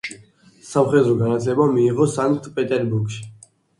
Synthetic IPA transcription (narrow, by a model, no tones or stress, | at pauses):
samχɛd̪ɾɔɡanat̪ʰlɛbamiːʁɔsaŋkt̪ʰpʼɛt̪ʼɛɾbuɾɡʃi̥